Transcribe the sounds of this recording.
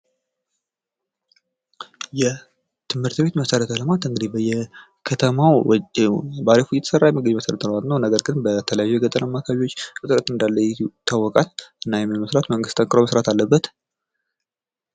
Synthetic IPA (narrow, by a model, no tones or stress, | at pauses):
jɛ | t̪ʰɨmhɨɾt̪be̞t̪məsəɾət̪ʰələmat̪ɨŋɡɨd̪ibjɛ | kʰət̪ʰəmaw | baləfujɛt̪ʰə̥sərːajɛmːəɡəɲməsəɾət̪ʰələmat̪nəwnəɡəɾɡɨnbət̪ʰələjajːujɛɡət̪ʼːənamːakʰaβiwot͡ʃːkʼɨt̪ʼɨɾət̪ɨnd̪alːəjɛt̪ʰawːɔkʼalɨnːajɛmːɨnməsɾat̪məŋɡɨst̪ʰʼəŋkʼɨɾoməsɾat̪ʰalːəbːət̪